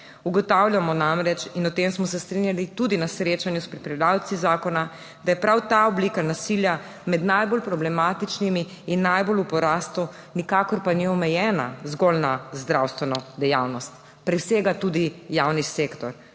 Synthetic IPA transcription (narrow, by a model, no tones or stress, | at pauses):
uɡɔt̪awljamɔnamɾɛt͡ʃinɔt̪emsmɔsɛst̪ɾinjalit̪ud̪inasɾet͡ʃanjuspɾipɾɛd̪aːwt̪sizaːkɔna | d̪ajɛpɾawt̪aɔblikanasilja | mɛd̪najbolpɾɔblɛmaːt̪it͡ʃnimiː | nːajbolupɔɾaːst̪u | nikakɔɾpaniɔmɛjɛːna̰zɡɔlnazd̪ɾawst̪ʋɛnɔd̪ɛjawnɔst̪ | pɾɛwseːɡat̪ud̪ijawniseːkt̪ɔɾ